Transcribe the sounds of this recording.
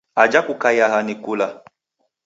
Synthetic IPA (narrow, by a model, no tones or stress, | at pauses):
ad͡ʒakukajaɦanikula